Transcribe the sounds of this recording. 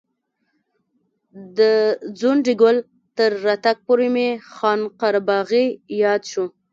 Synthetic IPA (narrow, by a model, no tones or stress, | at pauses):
d̪əd͡zonɖiɡʊl | t̪əɾːat̪ak̚poɾemexɑnqaɾabɑɣijɑd̪ʃu